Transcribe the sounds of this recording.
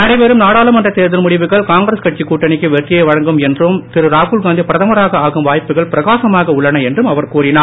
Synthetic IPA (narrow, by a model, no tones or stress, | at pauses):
nɐɽɐɪʋeɾɯmnaːɽaːlɯmɐndrɐt̪eːɾðɪlmʊɽɪʋɯɣɐɭkaːŋɡɾɐskɐʈ̚t͡ʃikːuːʈːɐnɪkːɯʋɛʈrɪjɐɪʋɐɻɐŋɡɯmɛndrɯmt̪ɪɾɯɾaːɣuːlɡaːnd̪ipɾɐðɐmɐɾaːɣɐaːɣɯmʋaːjpːɯɣɐɭpɪɾɐɣaːsɐmaːɣɐʊɭːɐɳɐɛndrɯmɐʋɐɾkuːrɪnaː